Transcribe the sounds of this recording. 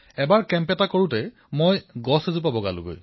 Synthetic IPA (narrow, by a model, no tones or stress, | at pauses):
ɛbaɹkɛmpɛtakoɹʊ̃tɛ | mojɡɔsezup̬abɔɡa̰lʊ̰ɡo̰j